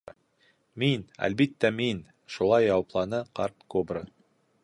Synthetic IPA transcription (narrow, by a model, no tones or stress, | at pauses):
minæ̰lbit̪ːæmin | ʃulˠɑjːɑwɑplˠɑnɤqɑɾt̪kobɾə